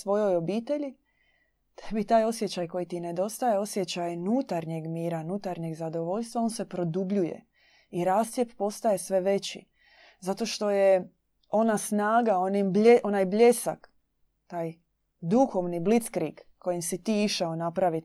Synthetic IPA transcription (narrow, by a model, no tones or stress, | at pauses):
sʋo̞jo̞jo̞biːt̪e̞ʎi | t̪ʰebit̪aːjosje̞t͡ɕajko̞jit̪ine̞d̪o̞st̪ajeo̞sje̞t͡ɕajnut̪aɾɲeɡmiːɾanuːt̪aɾɲeɡzad̪o̞ʋo̞ʎʲst̪ʋao̞ːnse̞pɾo̞d̪ubʎujḛ | iɾaːst̪sjeppo̞st̪aje̞sʋe̞ʋe̞t͡ɕḭ | zat̪o̞ʃt̪o̞je | o̞nasnaːɡaonimbeʔo̞najbʎe̞sa̰k | t̪aːj | d̪uxo̞ʋniblit̪skɾḭːkko̞jimsit̪iːiʃaonapɾaʋi